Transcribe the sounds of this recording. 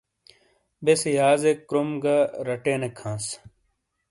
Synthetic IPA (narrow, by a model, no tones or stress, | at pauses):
besjaːzekɾumɡɐɾɐʈeːnekʰãːs